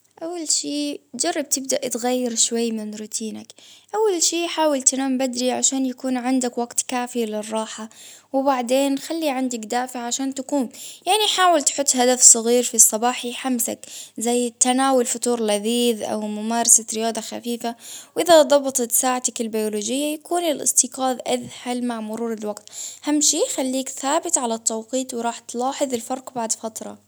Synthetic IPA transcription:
ʔawːalʃiːd͡ʒɑrˤːɑb̚t̪ɪbd̪aʔt̪ɣajːɪɾʃwajːmɪnɾuːt̪ʰiːnakʔawːalʃiːħaːwalt̪anaːmbad̪ɾiʕaʃaːnjakuːnʕɪnd̪akwaɡt̪kaːfilɪrˤːɑːħawɪbaʕd̪eːnxalːiʕand̪akd̪aːfaʕʕaʃaːnt̪akuːmjaʕniħaːwalt̪ħʊt̪ːhad̪afsˤɨɣiːɾfisˤːɑbɑːħiħamsa̰kzajːt̪ːanaːwʊlfʊt̪uːɾlaðiːðʔa̰wmʊmaːɾˤɑsaɾɪjaːd̪ˤɑxa̰fiːfawʔɪðad̪ˤɑbt̪ˤt̪saːʕat̪akɪlbajoloːd͡ʒɪjːajakuːnɪlʔɪ̰st̪iqɑːd̪ʔaðhalmaʕmʊɾuːɾɪlwaɡt̪hamːʃiːxalːiːkθaːbɪt̪ʕalat̪ˤːɑwqiːt̪wɾˤɑːħt̪lɑːħɨðˤɪlfɑɾˤqbaʕd̪fat̪ɾˤɑ̰

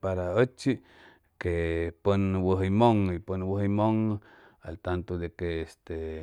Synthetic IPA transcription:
paɾaət͡ʃi | kepənwəɦəjmoŋipənwəhəjmoŋ | a̰lt̪ant̪od̪ekeːst̪e

